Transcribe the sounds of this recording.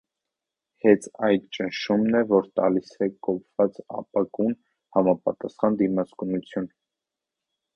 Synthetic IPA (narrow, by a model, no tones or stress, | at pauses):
hɛt͡sʰɑjd̪t͡ʃənʃumnɛvɔɾt̪ɑ̰lisɛkɔpʰv̥ɑt͡sɑ̰pɑɡun | hɑmɑpɑ̰t̪ɑsχɑnd̪imɑt͡skunut͡sʰjun